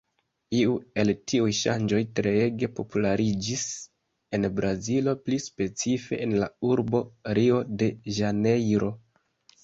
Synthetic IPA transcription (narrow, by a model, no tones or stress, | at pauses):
iue̞ltiujʃa̰nd͡ʒo̞jtɾe̞eɡe̞po̞pulaɾid͡ʒis | e̞nbɾazilo̞plispe̞t͡sife̞̰ʔenla̰uɾbo̞ɾio̞de̞ʒane̞jɾo̞